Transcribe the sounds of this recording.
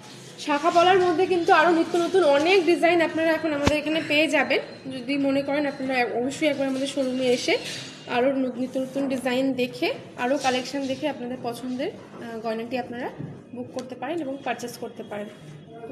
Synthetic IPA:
ʃakʰapɔlaɾmod̪ʱːek̬int̪uaɾonit̪ːonot̪unɔnek̚ɖid͡ʑajnapnaɾaɛkʰonamad̪eɾekʰanepeed͡ʑaben | d͡ʑod̪imonekɔɾenapnaɾaɔboʃːoiɛk̚baɾamad̪eɾʃoɾumieʃe | a̰ɾonit̪ːonot̪unɖizajnd̪ekʰe | a̰ɾokalekʃand̪ekʰeapnad̪eɾpɔt͡ɕʰond̪eɾ | ɡɔenaʈiapnaɾa | bukːoɾt̪epaɾeneboŋpəɾt͡ɕeskoɾt̪epaɾen

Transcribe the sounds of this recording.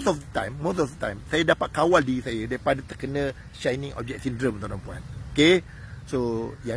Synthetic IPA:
sɔfdət̪ã̰jmːosɔfdət̪ã̰jmsajadapat̪̚kawaldiisajadaɾipadat̪əkənə̃ | ʃajnĩŋɔ̰b̚d͡ʒɛt̚sindɾəmt̪ãnãmpuã̰noke | soja

